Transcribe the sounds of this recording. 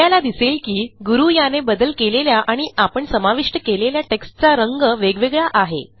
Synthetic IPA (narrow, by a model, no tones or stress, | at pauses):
alad̪iselkiːɡuɾujanebəd̪əlkeleljaʔaɽ̃iapəɳsəmaʋiʂʈəkeleljaʈeksʈt͡saɾəŋɡəʋeɡʋeɡɭaʔaɦḛ